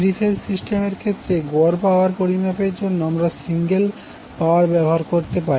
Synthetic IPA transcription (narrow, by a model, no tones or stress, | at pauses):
ɾifʰeɾsisʈemeɾkʰet̪ːɾeɡɔɾpaoaɾpoɾimapeɾd͡ʑonːoɔmɾasiŋɡel | paoaɾbɛboɦaɾkoɾt̪epaɾe